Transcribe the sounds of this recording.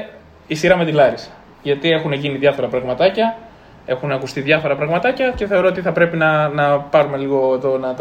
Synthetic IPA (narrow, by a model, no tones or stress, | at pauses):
isiɾɐme̞t̪ilɐɾisɐ̥ | ʝɐt̪ie̞xuneʝiniðʝɐfo̞ɾɐpɾɐɣmɐt̪ɐcɐ | e̞xunɐkust̪iðʝɐfo̞ɾɐpɾɐɣmɐt̪ɐcɐce̞θe̞o̞ɾo̞ot̪iθɐpɾe̞pinɐnɐpɐɾume̞liɣo̞t̪onɐt̪